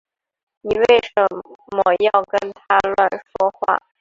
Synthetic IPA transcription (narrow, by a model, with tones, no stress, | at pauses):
ni˨˩we˥˩ɪʂə˧˥mə˧˩jɑ˥˩ʊkə˥nt̪ʰa˥lwa˥˩nʂwɔ˥xwa̰˥˩